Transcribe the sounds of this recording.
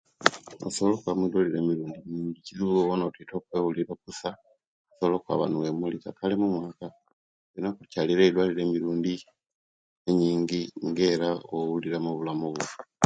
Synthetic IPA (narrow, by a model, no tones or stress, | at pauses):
o̰soβolokwamwidoliɾe̞miɾuːndimiːɲɟiciziβuɡoβonotito̞ːkweːwuliɾok̚usa | osoβlo̞kwa̰βa̰nuwemulika̰kalemumwaːka | βenakucaliɾeidwaliɾe̞ːmiɾuːndi | eɲiːɲɟiŋɡeːɾaowuliɾamoβulamuβo